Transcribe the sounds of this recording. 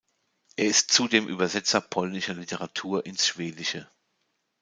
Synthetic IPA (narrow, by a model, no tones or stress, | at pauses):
ʔeːɐɪstt͡sudeːmʔy̰ːbɐzɛt͡sɐpʰɔlnɪʃɐlitʰəʁatʰuːɐʔɪnsʃv̥eːdɪʃə